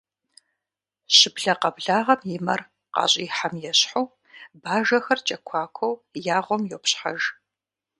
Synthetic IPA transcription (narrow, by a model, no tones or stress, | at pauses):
ɕɪbɮɐqɐbɮaːʁɐmjɪmɐr | qɑ̰ːɕʼiːħamjɛɕħow | baːʒɐxɐrt͡ʃʼɐkʷʰaːkʷʰowjaːʁʷɔmjowpɕħa̰ʒ